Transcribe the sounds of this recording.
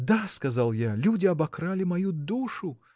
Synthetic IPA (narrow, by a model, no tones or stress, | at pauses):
d̪askɐzalˠjalʲudʲɪɐbɐkɾalʲɪmɐjud̪uʂʊ